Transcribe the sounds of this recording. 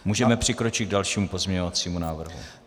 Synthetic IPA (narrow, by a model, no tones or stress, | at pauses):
muːʒɛmɛpr̝̥ɪkɾo̞t͡ʃɪɡ̚dalʃiːmupo̞zmɲɛɲovat͡siːmunaːvr̩ɦṵ